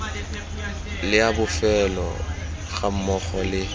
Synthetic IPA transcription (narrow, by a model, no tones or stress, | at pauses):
lɪabʊfɛlɔ̰ | ɣam̩mɔχɔlɪ